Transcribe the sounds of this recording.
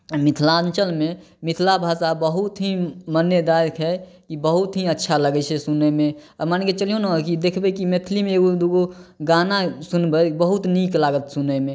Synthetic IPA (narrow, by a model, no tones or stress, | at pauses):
mit̪ʰlaənt͡ʃəlme | mit̪ʰlabʱasabəɦut̪ɦimənːjəd̪ajkʰɦɛ | kibəɦut̪ɦĩətːʃʰaləɡɛt͡ʃʰɛsunɛmeəmaneket͡ʃəlijonakid̪ekʰbɛkimet̪ʰlimẽeɡod̪oɡoɡanasunbəbəɦut̪niklaɡət̪sunəme